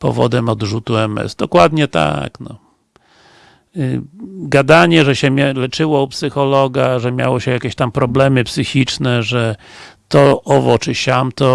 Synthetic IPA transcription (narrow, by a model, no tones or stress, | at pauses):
pɔ̰vɔ̰d̪ɛmɔd̪ʐut̪uɛmɛ̰zd̪ɔkwad̪ɲɛt̪a̰knɔ̰ | ɡad̪aɲɛʐɛɕɛmʲɛlɛt͡ʂɘwɔupsɘxɔlɔɡaʐɛmʲja̰wɔɕɛjakʲeɕt̪ampɾɔblɛmɘpsɘxʲit͡ʂnɛʐɛt̪ɔʔɔvɔt͡ʂɘɕamt̪ɔ